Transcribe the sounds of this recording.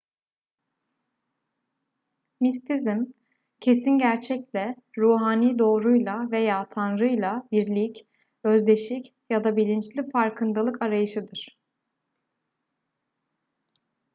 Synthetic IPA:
mis̬t̪ʰizim | cʰe̞sinɟæɾt͡ʃʰɛclʲɛ | ɾuːɦaːniːd̪o̞ːɾujlˠave̞jaːt̪ʰanɾɯjlˠabiɾlʲic | øzd̪e̞ʃic | jad̪abilʲint͡ʃlʲifaɾkʰɯnd̪alˠɯkaɾajɯʃɯd̪ɯɾ̥

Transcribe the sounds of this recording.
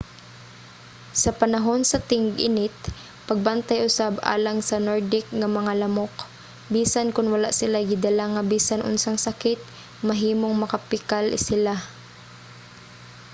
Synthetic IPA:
sɐpɐnaɦo̞nsɐt̪ɪŋɡʔɪnɪt̪̚ | pɐɡ̚bant̪ajʔʊsaba̰ːlaŋsɐnoɹd̪ɪk̚ŋɐmɐŋalɐmok | biːsankʊnwɐlaʔsɪlajɡɪd̪alaŋːɐbiːsanʔʊ̰nsaŋsakɪt̪̚ | mɐɦiːmoŋmɐkapɪkalɪ̰sɪla

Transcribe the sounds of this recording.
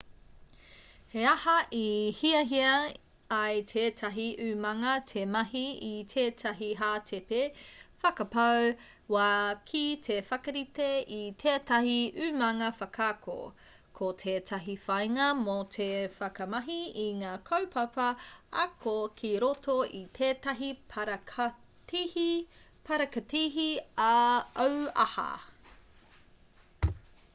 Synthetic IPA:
heɐhɐʔihiɐɦiɐː | jtʰeːtʰɐɦiʔʉːmɐŋɐtʰemɐɦiitʰeːtʰɐɦiɦaːtʰepefɐkɐpɐw | wakʰitʰefɐkɐɾiteitʰeːtɐɦiʔʉmɐŋɐfɐkʰaːko̰ | kʰotʰeːtʰɐɦifɐjŋɐmotʰefɐkɐmɐɦiiŋaːkʰɐwpʰɐpɐɐkʰokʰiɾotʰoʔitʰeːtɐɦi | pʰɐɾɐkɐtiɦiaɐwɐ̰hɐ̰

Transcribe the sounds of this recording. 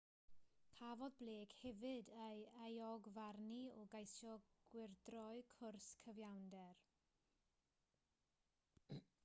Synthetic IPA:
kʰavɔðbleːkhɛvɨdejajɔɡvarniɔɡajsjɔɡ̥wɪrdrɔɨkʰʊrskʰəvjawndɛr

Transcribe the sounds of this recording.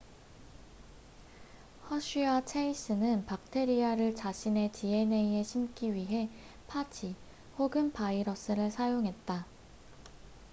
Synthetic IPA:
hʌɕ͈ʰiat͡ɕʰeis͈ɯnɯnpak̚tʰe̞ɾiaɾɯɭt͡ɕaɕʰine̞t͡ɕie̞ne̞ie̞ɕʰimk͈iɥiɦe̞ | pʰatʰi | hoɡɯnpaiɾʌs͈ɯɾɯɭsʰajoŋɦe̞t̚t͈a

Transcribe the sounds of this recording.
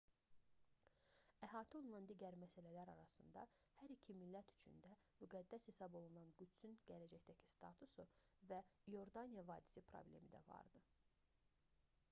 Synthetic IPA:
æɦɑːt̪ʰio̞lˠunɑnd̪iːɟæɾmæsælælæɾɑɾɑsɯnd̪ɑhæɾicʰimilːæt̪ʰy̥t͡ʃʰy̰nd̪æmyɡæd̪ːæshe̞sɑbo̞lˠunɑnɡyt̪synɟælæd͡ʒæçd̪æcʰi̥st̪ʰɑ̰t̪ʰusuvæjo̞ɾd̪ɑnijɑvɑːd̪i̥sipʰɾo̞̰blʲe̞̰mid̪æ̰vɑ̰ɾd̪ɯ

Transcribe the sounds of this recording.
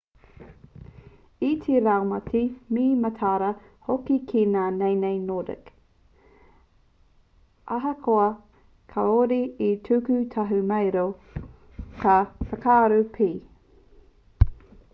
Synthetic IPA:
itʰeɾawmɐtʰimiːmɐtʰaːɾɐ | hokikʰinaːnejnejnoːdə̰k | ʔɐɦɐkʰoɐ | kʰɐoɾiitʰʉkʉtʰɐɦʉmejɾo | kʰɐfɐkaːɾupʰiː

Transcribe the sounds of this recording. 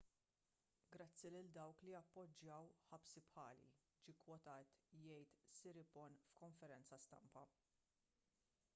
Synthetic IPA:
ɡɾɐt͡sːilɪld̪ɐwklijɐpːɔd͡ʒːɐwħɐpsipħɐːlḭ | d͡ʒiːkwɔt̪ɐːt̪jɛjt̪sɪɾɪpɔnfkɔɱfɛɾɛnt͡sɐst̪ɐ̰mpɐ

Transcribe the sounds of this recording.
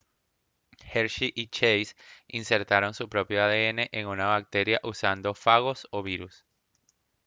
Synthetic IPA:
heɾʃiʔit͡ʃejsinse̞ɾt̪aɾo̞nsupɾo̞pjo̞aðe̞e̞ne̞ʔeŋunaβak̚t̪e̞ɾjaʔusand̪o̞faɣo̞so̞βiɾus

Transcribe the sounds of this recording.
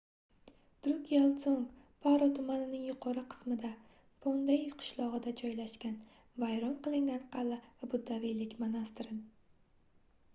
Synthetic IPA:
d̪̥ɾʊkʲʰijalˠsoŋ | pʰaɾɒt̪ʰʊmanɪnɪŋjʊqʰɒɾɨqʰɨ̥smɪd̪a | fond̪aɪvqʰɨ̥ʃlˠɒʁɨd̪ad͡ʒɒjlaʃkʲan | vajɾɒnqɨlˠɪŋɡʲanqʰɑlabʊd̪ːavijlɪkʲmanast̪ɾɪn

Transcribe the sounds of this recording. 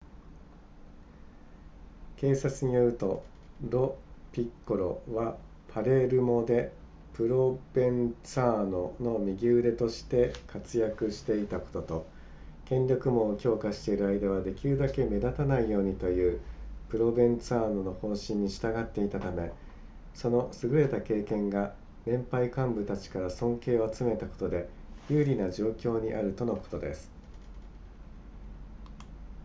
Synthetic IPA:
ke̞ːsat͡sɨɲ̟ijo̞ɾɯ̟t̪o̞ | ɾo̞pʲikːoɾo̞̰βa | pʰaɾe̞ɾɯ̟mo̞d̪e̞ | pɯɾo̞b̥ẽ̞nt͡saːno̞no̞mʲiɡʲɨːɾe̞t̪o̞ɕi̥t̪e̞kʰat͡sɨjakɯ̟ɕi̥t̪e̞it̪ako̞̥t̪o̞t̪o̞ | kẽ̞ɲʲɾʲo̞kɯ̟mo̞kʲo̞ːkaɕi̥t̪e̞iɾɯ̟aid̪aβ̞ad̪e̞kʲiɾɯ̟d̪ake̞me̞d̪at̪anaijo̞ːɲ̟it̪o̞jɯ̟ːpɯ̟ɾo̞bẽ̞nt͡sɨaːno̞no̞hõ̞ːɕĩɲ̟ːiɕi̥t̪aɡat̪ːe̞it̪at̪ame̞ | so̞no̞sɨɡɯ̟ɾe̞t̪ake̞ːkẽ̞ŋɡa | nẽ̞mpaikãmbɯ̟t̪at͡ɕi̥kaɾasõ̞ŋke̞ːo̞at͡sɨme̞t̪ako̞̥t̪o̞d̪e̞ | jɯːɾʲinaʑo̞ːkʲo̞ːɲ̟iʔa̰ɾɯ̟t̪o̞no̞ko̞̥t̪o̞d̪e̞sɨ̥

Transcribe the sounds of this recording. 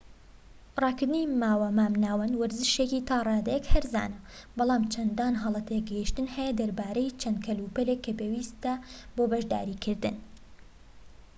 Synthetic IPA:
rɑːkɨɾd̪ɨnimaːwɐmaːmnaːwɐnwɐɾzɨʃekiːt̪ʰɑːrˤɑːd̪ɐjɛkhɐɾza̰ːnɐbɑlˠɑːmt͡ʃʰɐnd̪aːnɦɑlˠɐt̪ʰeɡɐhiʃt̪ɨnhɛjɐd̪ɐɾbaːɾɐjt͡ʃʰɐnd̪̚kʰɐlupɐlekːɐpeːwiːst̪ɐboːbɐʒd̪a̰ːɾiːkʰɨɾd̪ɨn

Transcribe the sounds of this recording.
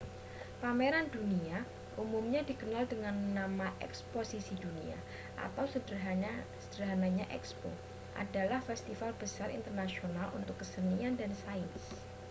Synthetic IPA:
pameɾandunia | ʔumumɲadikənaldəŋanːamaʔɛ̰ksposisidunia̰ | ʔa̰t̪awsədsəd̥əɦanaɲaʔɛ̰kspo̰ | ʔa̰dalahfɛst̪ifalbəsarḭnt̪ərnasionalṵnt̪ʊkːəsəniandansaɪns

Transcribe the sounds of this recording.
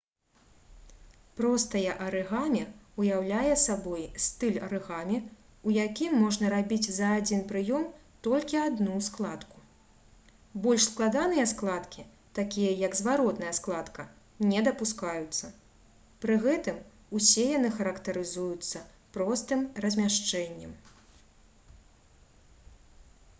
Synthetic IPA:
pɾɔst̪ɐjɐʔɐɾɨɣamʲɛujawlʲajɛsabɔjst̪ɨlʲɐ̰ɾɨɣamʲɛ | ujakʲimːɔʐnɐɾabʲit͡sʲzɐːd͡zʲinpɾɨjɔm | t̪ɔlʲkʲiad̪nusklˠat̪ku̥ | bɔlʲʂsklˠad̪anɨjɛsklˠat̪kʲi | t̪akʲijɐjɐɡzvaɾɔt̪nɐjɐsklˠat̪kɐ | nʲɛd̪ɐpuskajut̪sːɐ | pɾɨɣɛt̪ɨm | usʲɛjanɨxɐɾɐkt̪ɐɾɨzujut̪sːɐ | pɾɔst̪ɨmrɐzʲmʲaʂt͡ʂɛnʲːɛm

